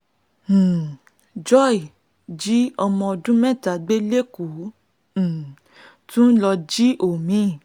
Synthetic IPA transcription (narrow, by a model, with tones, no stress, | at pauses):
d͡ʒɔ˦˨i˨ | d͡ʒi˨˦ɔ˧mɔ̃˧ɔ˧dũ˦mɛ̃˦˨ta˨˦ɡ͡be˦le˦kũ˨˦˨ | tũ˦n̩˦lɔ˧d͡ʒi˦ʔo˨mĩ˨˦˨